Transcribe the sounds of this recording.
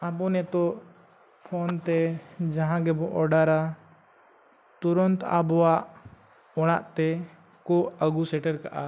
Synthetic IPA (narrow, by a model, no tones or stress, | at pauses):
abɔnɛt̪ɔʔ | pʰɔnt̪ɛd͡ʒaɦãɡɛbɔʔɔɖaɾa | t̪ɔɾɔnt̪abɔwaʔ | ɔɽ̃aʔt̪ɛ | kɔəɡusɛʈəɾka̰ʔa